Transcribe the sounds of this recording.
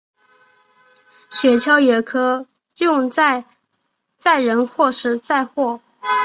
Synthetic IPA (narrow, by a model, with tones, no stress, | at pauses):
ɕɥɛ˧˥t͡ɕʰjɑ˥ʊjɛ˧˥kʰɤ˥ | jʊ˥˧ŋt͡sa˥˧ɪ | t͡sa˥˩ɪɻə˧˥nxwɔ˥˩ʂɻ̩˥˩t͡sa˥˧ɪxwɔ˥˩